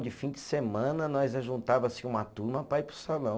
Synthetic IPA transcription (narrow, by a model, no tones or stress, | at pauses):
d͡ʒɪfĩd͡ʒɪsemɐ̃nɐnɔjzɐʒũnt̪avɐsɪũmɐt̪uɾmɐpɾaipɾʊsalɐ̃w̃